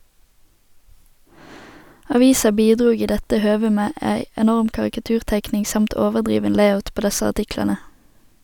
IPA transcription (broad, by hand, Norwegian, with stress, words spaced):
ɑˈʋiːsɑ ˈbiːˌdʁuːɡ ˈiː ˈdɛtə ˈhøːʋə ˈmeː ˈæɪ ɛˈnɔʁm kɑʁɪkɑˈtʉːʁˌtæɪknɪŋ ˈsɑmt ˈoːʋəʁˌdʁiːʋən ˈleɪaʊt ˈpoː ˈdɛsə ɑʁˈtɪklɑnə